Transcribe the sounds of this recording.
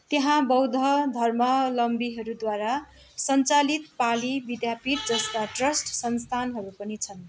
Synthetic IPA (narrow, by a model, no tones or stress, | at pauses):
t̪eɦãbʌwd̪ʱʌd̪ʱʌrmʌlʌmbiɦʌɾud̪waɾa | sʌnt͡salit̪̚palibid̪japit̪̚d͡zʌst̪aʈrʌsʈsʌnst̪ʰanɦʌɾupʌnit͡sʰʌn